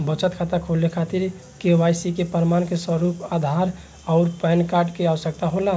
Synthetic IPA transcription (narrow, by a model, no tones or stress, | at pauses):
bət͡ʃət̪kʰat̪əkʰolekʰat̪iɾ | keʋajsikepəɾmankesəɾupad̪ʱaɾ | aʊɾpɛnkaɾɖkeaʋəsəkt̪aɦola